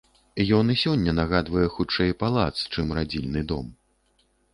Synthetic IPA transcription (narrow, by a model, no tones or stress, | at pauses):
jɔnisʲɔnʲːɐnaɣad̪vɐjɛxut͡ʂɛjpalˠa̰t̪st͡ʂɨmɾad͡zʲilʲnɨd̪ɔ̰m